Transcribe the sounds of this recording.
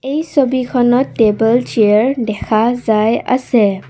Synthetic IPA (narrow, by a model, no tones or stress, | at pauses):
ejsobikʰɔnɔtːebɔlt͡ʃeɹɖɛkʰazajə̰sɛ